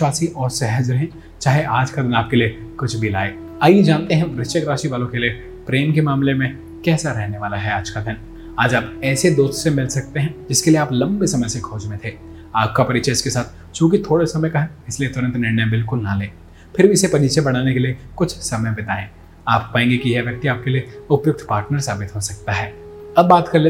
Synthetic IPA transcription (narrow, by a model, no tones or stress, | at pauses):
ʃwaːsiʔɔːɾsɛɦəd͡ʒɾɐɦẽː | t͡ʃaːɦeʔaːd͡ʒkad̪ɪnaːp̚kelie | kʊt͡ʃʰbʱila̰ːeː | aid͡ʒaːnt̪eɦɛ̃ʋɾɪt͡ʃəkɾaːʃiʋaːlõkelie | pɾeːmkemaːmlemẽ | kɛːsaɾɛɦneʋaːlaɦɛaːd͡ʒkad̪ʱɪn | aːd͡ʒaːpɛːsed̪oːst̪semɪlsɐk̚t̪eɦɛ̃d͡ʒɪskelieaːplɐ̃mbesɐməjsekʰoːd͡ʒmẽt̪ʰeː | aːp̚kapɐɾiːʃʰɐɪskesaːt̪ʰ | t͡ʃjũːk̬it̪ʰoːɽesɐməjkɐɦẽɪsliet̪ʊɾə̃nt̪ɾnɪɾnəjbɪlkʊlnaleː | pʰɪɾbiɪsepɐɾiːt͡ʃebɐɽ̃aːnekeliekʊt͡ʃʰsɐməjbɪt̪aːẽː | aːp̚paːẽːŋɡekiɦɛʋjɐk̚t̪iaːp̚kelieʊpjʊk̚t̪ʰpaːɾʈnəɾsaːbɪt̪ɦosɐk̚t̪aɦɛːɐbːaːt̪kɐɾle